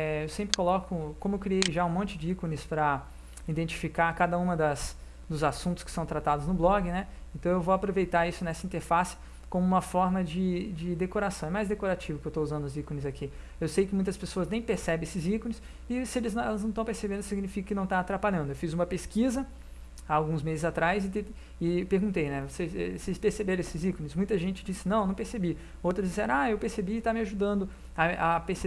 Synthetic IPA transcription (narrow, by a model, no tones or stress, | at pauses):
ɛewsẽmpɾɪkolɔkʊkõmʊewkɾiejʒaũmõnt͡ʃɪd͡ʒɪikonɪspɾɐ | id̪ẽnt͡ʃi̥fikaɾkad̪ɐũmɐd̪ɐs | d̪ʊzasũt̪ʊ̥skɪ̥sɐ̃w̃t̪ɾat̪ad̪ʊznʊblɔɡɪnɛẽnt̪ɐ̃w̃ewvowapɾovejt̪aɾisʊnɛsɐĩt̪eɾfasɪ̥ | kõmʊũmɐfɔɾmɐd͡ʒɪd͡ʒɪd̪ekoɾasɐ̃w̃ɛmajzd̪ekoɾat͡ʃivʊkɪewt̪ouzɐ̃nd̪ʊzikonɪzaki | ewsejkɪmũj̃t̪ɐspesoɐznẽj̃peɾsɛbẽesɪzikõnɪs | ɪsɪelɪznɛlɐznɐ̃t̪ɐ̃w̃peɾsebẽnd̪ʊsiɡnifikɐkɪnɐ̃w̃t̪aːt̪ɾapaʎɐ̃nd̪ʊewfizũmɐpeskizɐ | aːwɡũzmezɪzat̪ɾajzɪt̪e | ɪpeɾɡũnt̪ejnɛvoseɛ̰sespeɾsebeɾ̃esɪzikonɪsmũj̃t̪ɐʒẽnt͡ʃɪd͡ʒisɪnɐ̃w̃nɐ̃w̃peɾsebi | owt̪ɾɐzd͡ʒisɛ̰ɾɐ̃aewpeɾsebiɪt̪amɪaʒud̪ɐ̃nd̪ʊ | ɐʔapeɾse